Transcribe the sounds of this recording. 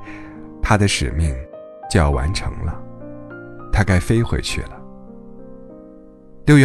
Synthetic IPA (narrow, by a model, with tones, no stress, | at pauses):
t̪ʰa˥d̪ə˨ʂɻ̩˨˩mi˥˩ŋ | t͡ɕjo˥˧ʊjɑ˥˩wa̰˧˥nʈ͡ʂʰɤ̰˧˥ŋlə̰˧ | t̪ʰa˥ka˥ɪfe˥ɪxwḛ˧˥ɪt͡ɕʰy̰˥˩lə˩ | ljo˥˧ʊɥɛ˥